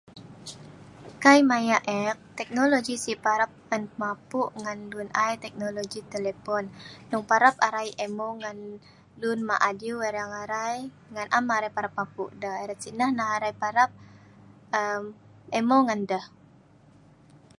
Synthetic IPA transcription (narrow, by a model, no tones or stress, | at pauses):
kajmajaʔɛk̚t̪ɛk̚noloɡisipaɾap̚ŋanmapuʔŋanlunajt̪ɛk̚noloɡit̪elepɔnːuŋpaɾapaɾajʔɛmoŋan | lunmaʔadiueɾaŋaɾaj | ŋanʔamaɾajpaɾapmapṵʔdəheɾasinəhnaɦaɾajpaɾap̚ | əm | ɛmoŋandəh